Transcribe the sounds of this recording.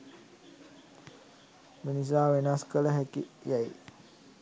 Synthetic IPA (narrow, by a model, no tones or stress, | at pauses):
minis̬aːʋenaskələɦækḭjaj